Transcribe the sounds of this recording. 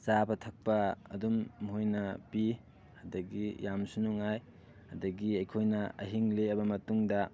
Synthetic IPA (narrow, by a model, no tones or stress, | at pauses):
sabɐtʰɐk̚pɐɐ̰dumɦojnɐpi | hɐdɐɡijamsunuŋaj | ɐdɐɡiɐjkʰojnɐɐ̰ɦiŋleɐbɐmɐtuŋdɐ